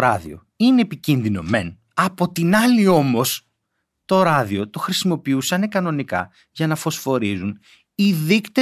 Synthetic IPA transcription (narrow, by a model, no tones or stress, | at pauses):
ɾɐðḭo̞̰ | ineːpicinðino̞̰me̞n | ɐpo̞t̪inɐlio̞mo̞s | t̪o̞ɾɐðio̞t̪o̞xɾisimo̞piusɐne̞kɐno̞nikɐ̰ | ʝɐnɐfo̞sfo̞ɾizun | iðikt̪e